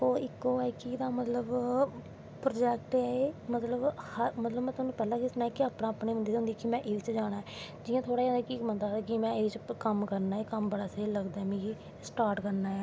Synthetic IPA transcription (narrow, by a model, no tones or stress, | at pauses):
oːɪkːoːɛkid̪aːmət̪ləb | pɾoːd͡ʒɛːkʈɛːeːmət̪ləbhəɾmət̪ləbmɛ̃ːt̪ʊnũːpɛːlãːkɪsnaːɛːkɪaːpɳãːəpneːʋə̃nd̪iːd̪ʊ̃nd̪iːkɪmɛ̃ːʔeːɾɪt͡ʃd͡ʒaːɽ̃aːɦɛːd͡ʒɪːãːt̪ʰoːɽaːjãːnd̪aːkikmənd̪aːkimɛ̃ːeːɪt͡ʃkəmkəɾnaːeːkəmbəɽaːseləɡd̪aːmĩki | sʈaːɾʈkəɾnaːɛː